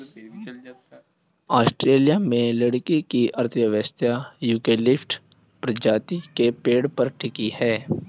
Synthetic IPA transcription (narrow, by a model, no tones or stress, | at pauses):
aːsʈɾeːlijamẽləɽkikiʔɐɾt̪ʰjəʋəst̪ʰjajuːkeːlɪfʈ | pɾəd͡ʒaːt̪ikepeːɽpɐɾʈʰɪkihɛː